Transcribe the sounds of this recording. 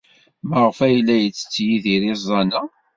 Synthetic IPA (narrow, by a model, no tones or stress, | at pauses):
məʁfæjlːæjət͡sːə̥t͡sːjiðiɾizˤːɑna